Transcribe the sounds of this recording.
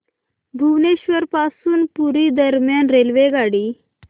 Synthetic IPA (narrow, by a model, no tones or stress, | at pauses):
bʱuʋneɕʋəɾpasuːnpuɾid̪əɾmjanɾelʋeɡaɽiː